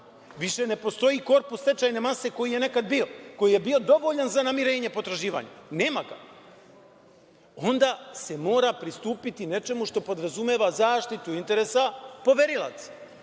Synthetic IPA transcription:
ʋiʃe̞ne̞po̞st̪o̞jiko̞ɾpust̪e̞t͡ʃajne̞mase̞ko̞jije̞ne̞kad̪bio̞ko̞jije̞bio̞d̪o̞ʋo̞ʎanzanamiɾe̞ːɲepo̞t̪ɾaʒiːʋa̰ɲune̞ːmaɡa̰ | o̞nd̪aːse̞mo̞ːɾapɾist̪uːpit̪ine̞t͡ʃe̞muʃt̪o̞po̞d̪ɾazumeːʋazaːʃt̪it̪uint̪e̞ɾeːsapo̞ʋeɾilˠa̰t̪sḁ

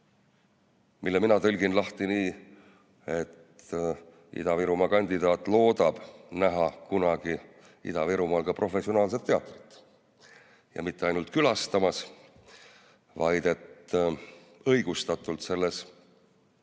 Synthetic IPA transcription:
milːeminɑt̪ɤlʲɡ̥inlɑht̪iniː | e̞t̪ | ḭd̪̥ɑviɾumɑkɑnʲd̪̥id̪ɑːt̪ːˑlo̞ːd̪̥ɑb̥næɦɑkunɑɡ̥i | ḭd̪ɑviɾumɑːlkɑprʔo̞fe̞sionɑːls̬e̞t̪ːe̞ɑt̪ːˑrit̪ːˑ | jɑ̰mit̪ːe̞ɑjnult̪̚kylɑst̪ɑmɑs | vɑjd̪̥e̞t̪ | ɤ̞jɡ̥ust̪ɑt̪ːˑult̪se̞lːe̞s

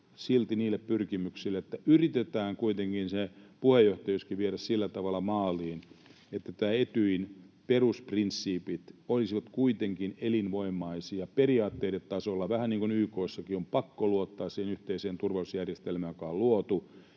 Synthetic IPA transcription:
silt̪iniːlːˑeppyrkimyksilːeet̪ːæyrit̪et̪æːŋkuit̪eŋkinsepuhejːoht̪ɑjuskiʋieɾæssilːæt̪ɑʋɑlːˑɑmɑːliːn | et̪ːæt̪æːet̪yinperusprinsːiːpit̪olisiʋɑt̪kuit̪eŋkinelinʋoimːɑisiɑperiɑːt̪ːeiɾet̪t̪ɑsolːɑʋæhænniːŋkunyːkoːsːɑkiompɑkːoluot̪ːɑːssihenyht̪eiseːnt̪urʋɑusjærjest̪elmæjjokɑːlluot̪u

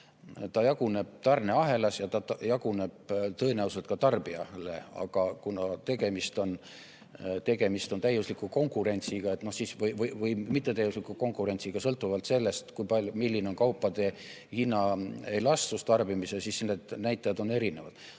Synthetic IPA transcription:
t̪ɑjɑɡ̥une̞b̥̚t̪ɑrne̞ɑɦe̞lɑsjɑt̪ɑjɑɡ̥une̞b̥t̪ɤ̞enæuselt̪̚kɑt̪ɑrbiɑlḛɑ̰ɡ̥ɑkunɑt̪e̞ɡe̞mist̪o̞n | t̪e̞ɡ̥e̞mist̪o̞nt̪æjːuslikːˑuko̞ŋkˑuɾe̞nʲt̪siɡ̥ɑe̞t̪ˑno̞hsiːsvɤjvɤjvɤjmit̪ːˑet̪æjːuslikːˑuko̞ŋkˑuɾe̞nʲsiɡ̥ɑsɤlt̪ːˑuvɑlt̪se̞lːe̞st̪kujpɑlʲjumilʲːineonkɑwpˑːɑd̪̥e̞ | hinːɑejlɑst̪ust̪ɑrbimisesiːsned̪̥næjt̪ːˑɑjɑd̪o̞ne̞ɾine̞vɑ̰d̪̥

